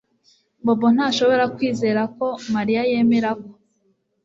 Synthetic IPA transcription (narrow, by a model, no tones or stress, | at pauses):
bobon̥haːʃo̞βo̞ɾakwiːze̞ːɾako̞maɾijaje̞ːme̞ɾako